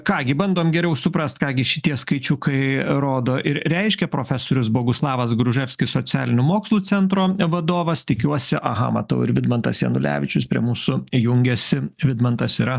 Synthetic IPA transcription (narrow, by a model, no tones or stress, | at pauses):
kɑːɡʲɪbɐnd̪oːmɡʲɛɾʲɛʊsʊpɾɐst̪kɑːɡʲɪʃʲɪt̪ʲiɛskɐɪt͡ʃʲʊkɐɪɾoːd̪oːʔɪɾɾʲɛɪʃʲkʲɛpɾoːfʲæsoːɾʲʊsboːɡʊslˠɑːʋɐs̬ɡɾʊʒʲɛfʲsʲkʲɪssoːt͡s̪ʲæ̰ːlʲɪnʲʊmoːkslˠuːt͡s̪ʲɛnt̪ɾoːʋɐd̪oːʋɐst̪ʲɪkʲuɔsʲɪʔɐɦɐ̰mɐt̪ɐʊɪɾʋʲɪd̪mɐnt̪ɐsjɛ̰nʊlʲæ̰ːʋʲɪt͡ʃʲʊspʲɾʲḭɛmuːsʊjʊŋʲɡʲɛsʲɪʋʲɪd̪mɐnt̪ɐsiːɾɐ